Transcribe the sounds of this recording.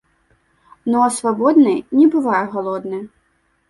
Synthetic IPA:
nɔsʋɔbɔd̪nɪjnʲɛbʊʋɑjɛɦɔlˠɔd̪nɐ

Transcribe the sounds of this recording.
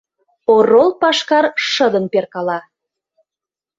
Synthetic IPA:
orolˠpɑʃkɑrʃəd̪ə̆nperkɑlɑ

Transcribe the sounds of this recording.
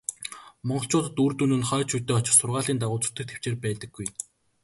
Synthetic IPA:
mɔɴɢɞ̆ɬt͡ɕʰʊːt̪ə̆t̪uːrt̪unɘ̆nχœːt͡ɕʰut̪ːeːɔt͡ɕɪ̆rsʊrʁaːɮiːnt̪aʁʊːt͡sʊ̥̆t̪ɘ̆k̚t̪ʰe̥w̥t͡ɕeːrpæːt̪ə̆ɡːuj

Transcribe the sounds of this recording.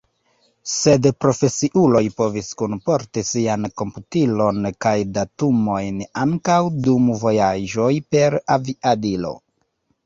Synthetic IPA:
se̞dpɾo̞fe̞siʔulo̞jpo̞viskunpo̞ɾtisianko̞mputilo̞nkajdatumo̞jnaŋkawdumvo̞jad͡ʒo̞jpe̞ɾaviʔadilo̞̰

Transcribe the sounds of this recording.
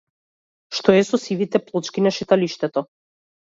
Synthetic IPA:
ʃt̪ɔɛsɔsivit̪ɛplˠɔt͡ʃkinaʃɛt̪aliʃt̪ɛt̪ɔ

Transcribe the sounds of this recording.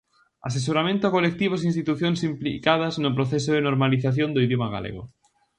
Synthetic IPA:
a̰s̬es̬oɾamẽnt̪oakolek̚t̪iβ̞osinst̪it̪uθjonsimplḭkað̞aznop̬ɾoθes̬oðenoɾmaliθaθjond̪oiðjomaɣa̰lḛɣo̰

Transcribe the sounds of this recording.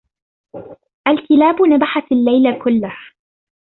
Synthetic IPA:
ʔalkɪlaːbʊnabaħatalːajlakʊlːah

